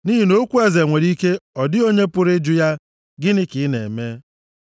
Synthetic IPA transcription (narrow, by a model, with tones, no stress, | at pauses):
ni˦ɦi˦no˦kʷu˦e˦ze˨ŋʷe˨ɾi˦ke˦ɔ˨dɪ˦o˦ɲe˦pʊ˦ɾɪ˦d͡ʒʊ˦ja˦ | ɡɪ˦nɪ˦kɪ˨˦nḛ˨me˦